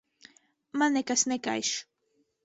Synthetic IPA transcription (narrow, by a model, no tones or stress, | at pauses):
manekasneka̰jʃ